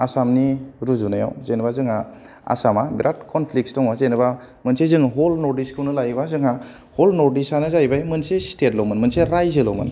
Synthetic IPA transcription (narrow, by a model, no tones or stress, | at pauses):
asamniɾuzunaja̰wzenbazɯŋa | a̰samabiɾʔat̚kʰɔnpʰlik̚sdɔŋazenɯba | mɯnsezɯŋɦɔlnɔɾdiskʰɯwnɯlajbazɯŋa | hɔlnɔɾdisanɯzajbajmɯnsestetlɔmɯnmɯnseɾajzɯlɔmɯ̰n